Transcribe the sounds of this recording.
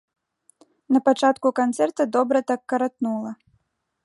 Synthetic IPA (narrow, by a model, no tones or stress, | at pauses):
nɐpat͡ʂat̪kukant̪sɛrt̪ɐd̪ɔbɾɐt̪akːɐɾat̪nulˠɐ